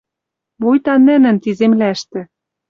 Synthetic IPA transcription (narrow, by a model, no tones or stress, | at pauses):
mojt̪ɑnɘ̆nɘ̆nt̪izemlæʃt̪ɘ̆